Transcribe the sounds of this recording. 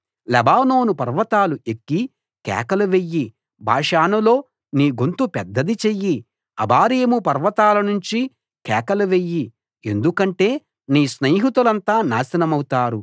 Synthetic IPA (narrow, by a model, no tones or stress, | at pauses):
lɛbaːno̞ːnupɐɾʋɐt̪aːluʔekːi | kɛ̰ːkɐlɐʋejːi | bʱa̰ːʂaːnɐlo̞ː | niːɡunt̪upɛd̪ːɐd̪it͡ʃejːi | ɐ̰bʱaːɾeːmupɐɾʋɐt̪aːlɐnuɲt͡ʃi | kɛ̰ːkɐlɐʋejːi | e̞nd̪ukɐɳʈe̞ː | niːsneːɦit̪ulɐnt̪aːnaːsɐnɐmɐwut̪aːɾu